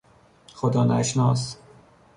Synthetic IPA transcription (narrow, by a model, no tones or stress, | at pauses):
xod̪ɒːnæʃnɒːs